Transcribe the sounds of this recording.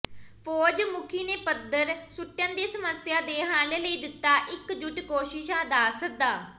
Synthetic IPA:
pʰɔːd͡ʒmʊkʰiːneːpəd̪əɾsʊʈːjãːd̪iːsəməsjaːd̪eːɦãːleləiːd̪ɪt̪ːaːʔɪkd͡ʒʊʈkoːʃɪʃãːd̪aːsək̚d̪aː

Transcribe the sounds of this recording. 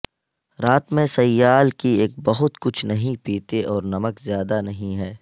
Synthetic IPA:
ɾaːt̪mẽsɐjːaːlkieːk̚bɐɦʊt̪kʊt͡ʃʰnɐɦĩpiːt̪eʔɔːɾnɐməkzjaːd̪anɐɦĩɦɛː

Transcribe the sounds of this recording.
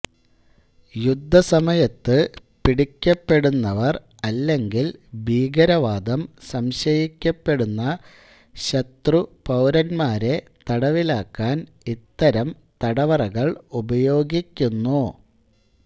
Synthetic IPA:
jud̪ʱːɐsɐmɐjɐt̪ːɨ | piɽikʲːɐpːe̞ɽunːɐʋɐr | ɐlːe̞ŋɡilbʱiːɡɐɾɐʋaːd̪ɐmsɐmɕɐjikʲːɐpːe̞ɽunːɐ | ɕɐt̪rupɐwɾɐnmaːɾe̞ | t̪ɐɽɐʋilaːkːaːn | it̪ːɐɾɐm | t̪ɐɽɐʋɐrɐɣɐɭubɐjo̞ːɡikʲːunːu

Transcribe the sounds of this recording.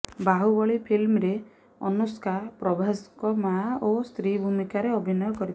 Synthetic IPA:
baɦubɔɭipʰilmɾe | ɔ̰nuskʰapɾɔbʱaskɔmaost̪ɾibʱumikaɾeɔbʱinɔjɔkɔɾit̪

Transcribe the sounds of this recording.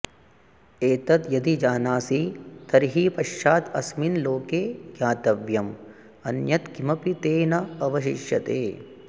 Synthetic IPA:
eːt̪ɐt̪jɐd̪id͡ʒaːnaːsit̪ɐɾɦiːpɐʃːaːt̪ɐsminloːkeːɡjãːt̪ɐʋjɐm | ɐnjɐt̪kimɐpit̪eːnɐɐʋɐʃiʃjɐt̪ḛː

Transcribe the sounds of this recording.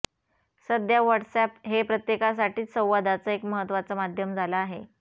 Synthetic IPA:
səd̪jaʋəʈsɛpɦepɾət̪jekas̬aʈiːsə̃w̃ʋad̪at͡səekməɦət̪ːʋat͡səmad̪ʱjəmd͡zʱalaaɦe

